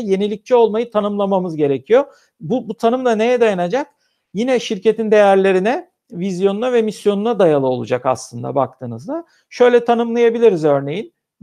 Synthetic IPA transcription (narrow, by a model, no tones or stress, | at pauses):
je̞nilʲic̚t͡ʃʰio̞lˠmajɯt̪ʰanɯmlˠamamɯzɟe̞ɾecʰijo̞ | bubut̪ʰanɯmd̪ane̞jɛd̪ajanad͡ʒak̚ | jinɛʃiɾce̞t̪ʰind̪e̞jæɾlʲe̞ɾinɛ | vizjo̞nunavɛmisjo̞nunad̪ajalˠɯo̞lˠṵd͡ʒaka̰slˠɯnd̪a̰ba̰k̚t̪ʰɯːnɯzd̪a | ʃø̞jlʲɛt̪ʰanɯmlˠajabilʲiɾizø̞ɾne̞jin